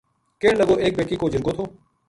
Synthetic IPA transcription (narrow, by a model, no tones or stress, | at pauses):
keːləɡoːʔeːk̚beːʈiːkoːd͡ʒɪɾɡoːt̪ʰoː